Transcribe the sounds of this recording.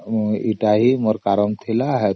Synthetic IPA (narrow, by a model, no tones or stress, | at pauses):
iʈaɦiməɾkaɾəmt̪ʰilaːɦe